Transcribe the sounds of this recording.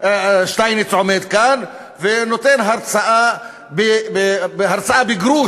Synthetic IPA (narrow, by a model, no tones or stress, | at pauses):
ʃt̪ajnɪt͡sʕomed̪kan | venot̪enɦaɾt͡saʔa | bebeɦaɾt͡saʔabɪɡɾuː